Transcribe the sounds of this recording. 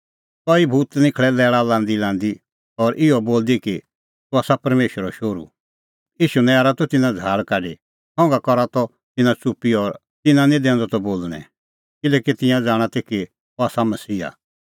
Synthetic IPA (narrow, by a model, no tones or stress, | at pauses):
kɔːibʱuːt̪nɪ̃kʰɭɛlɛːɭalãːnd̪ilãːnd̪i | ɔɾʔɪɔboːld̪iki | t̪uaːsapɐɾmeːʃəɾɔʃoːɾṵ | iːʃunɛaːɾat̪ɔt̪ɪnãd͡zʱaːɭkaːɖi | hɔ̃ːŋɡakɔɾat̪ɔ | t̪ɪnãt͡supːiɔɾ | t̪ɪnãnĩd̪ɛ̃ːnd̪ɔt̪ɔboːlɽ̃ɛ̰̃ | kɪlɛːkit̪ɪ̃jãd͡zaːɽ̃at̪eːki | aːsamɐsiːa̰